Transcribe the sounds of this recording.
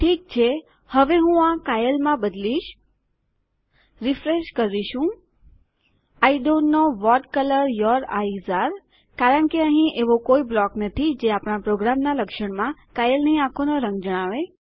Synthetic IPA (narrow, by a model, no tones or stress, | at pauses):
ʈʰik̚t͡ʃʰe | həʋeɦũãkajəlmãbəd̪liʃ | ɾifɾeʃkəɾiʃũ | aiɖonːoʋɔʈkələɾjɔɾa̰izaɾ | kaɾəɳkeəɦĩʔeʋokoiblɔknət̪ʰid͡ʒeapɳ̃apɾoɡɾamnaləkʃəɳmãkajəlniakʰonoɾə̃ŋɡd͡ʒəɽ̃aʋe